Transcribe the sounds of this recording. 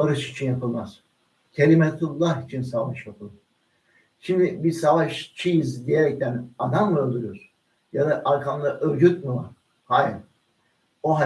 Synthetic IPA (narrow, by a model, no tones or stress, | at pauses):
aɾɯʃit͡ʃʰinjapʰɯlˠmaz̥ | cʲʰelʲimɛt̪ʰulˠːahit͡ʃʰinsavaʃjapʰɯlˠɯɾ | ʃimd̪ɪbisavaʃt͡ʃʰijizd̪ijeɾɛc̚t̪ʰænad̪amlˠɯolˠd̪uɾujoɾ | jad̪aʔaɾkʰanˠaʔøɾd͡ʒyt̪̚miva̰ɾ̥ | haːja | oɦa